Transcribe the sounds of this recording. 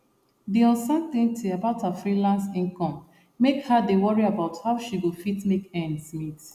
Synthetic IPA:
diɔ̃nsãnt̪ɪ̃ŋtʰiabaʊthafɹilãnsĩŋkɔ̃mː | ekhadewɔɹiabaʊthaʊʃiwifitmekɛ̃ndsmit

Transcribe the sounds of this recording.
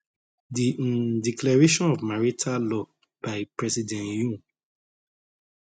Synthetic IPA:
didiklɛɹeʃɔ̃nɔvmaɹitʰalɔ | b̥aɪpɹɛsidɛ̃njũ

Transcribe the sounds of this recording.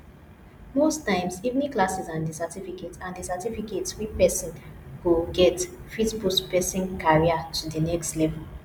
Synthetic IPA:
mostãɪ̃msivniklasizãndisatifiketãndisatifiketswipɛsɔ̃nkuɡɛtfitbuspɛsĩnkʰaɹiatʰudənɛkstlɛvɛl

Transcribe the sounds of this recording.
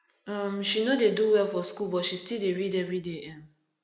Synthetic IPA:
amʃinodeduwɛlfɔskulbɔtʃistildeɹideɹideʔɛ̃m

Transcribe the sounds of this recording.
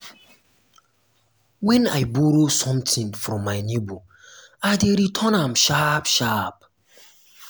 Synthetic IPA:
wɛ̃naɪboɾosɔ̃mtĩnfɾɔ̃mːaɪnebo | adeɾitʰɔnãmʃapʃap̚

